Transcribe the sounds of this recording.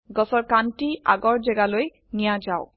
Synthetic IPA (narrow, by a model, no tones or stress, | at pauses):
ɡɔsɔɹkantia̰ɡɔɹzɛɡaloj | nijad͡ʒaʊ